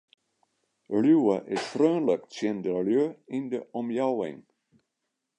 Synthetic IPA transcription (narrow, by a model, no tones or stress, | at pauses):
ljuwəʔɪsfrøːnləksjɛndəljøindəʔɔmjawɪ̰ŋ